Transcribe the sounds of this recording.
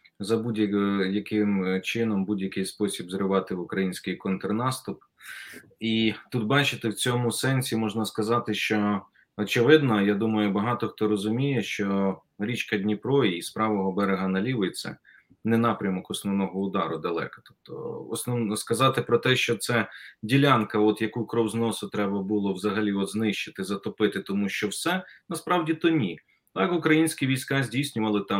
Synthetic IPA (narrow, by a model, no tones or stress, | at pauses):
zɐbudʲjɐjɐkɪmt͡ʃɪnɔmbudʲjɐkɪjspɔsʲibzɾɪʋɑt̪ɪʊkɾɐjinʲsʲkɪjkɔnt̪ɾnɑst̪ʊp | it̪ut̪̚bɑt͡ʃɪt̪ɪwt͡sʲɔmʊsɛnʲsʲimɔʒnɐskɐzɑt̪ɪʃt͡ʃɔ | ɔt͡ʃɪʋɪd̪nɔjad̪umɐjʊbɐɦɑt̪ɔxt̪ɔɾɔzʊmʲijɛʃt͡ʃɔ | ɾʲit͡ʃkɐdʲnʲipɾɔiːspɾɑʋɔɦɔbɛɾeɦɐnɐlʲiʋʊjet͡sʲːɐ̰ | nɛnɑpɾʲɐmɔkɔsnɔwnɔɦɔʊd̪ɑɾʊd̪ɐlˠɛ̰kɐ̥t̪ɔ̥p̚t̪ɔ̰ɔsnɔnɔskɐzɑt̪ɪpɾɔt̪ɛʃt͡ʃɔt̪sɛdʲilʲɑnkɐɔt̪jɐkukɾɔwznɔsʊt̪ɾɛbɐbʊlˠɔwzɐɦɐlʲiɔt̪znɪʃt͡ʃɪ̥t̪ɪzɐt̪ɔpɪt̪ɪt̪ɔmuʃt͡ʃɔwsɛnɐspɾɑwdʲit̪ɔnʲi | t̪ɑkʊkɾɐjinʲsʲkʲiʋʲijsʲkɑzʲdʲijsʲnʲʊʋɐlˠɪt̪ɑm